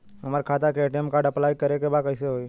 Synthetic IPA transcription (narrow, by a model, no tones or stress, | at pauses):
ɦɐmaɾkʰaːt̪akeeʈiɛmkaːɾɖɐplaːjkɐɾekebaːd̪̚kəɪseɦoi